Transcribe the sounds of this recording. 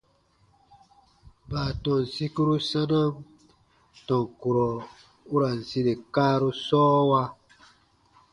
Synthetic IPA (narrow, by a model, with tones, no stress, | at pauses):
baː˨tɔ̃˨n̩˨si˦ku˦ɾu˦sã˦nã˦ | tɔ̃˨ŋ˨ku˨ɾɔ˨ | u˦ɾa˨n̩˨si˦ɾe˨kaː˦ɾu˦sɔː˦wa˦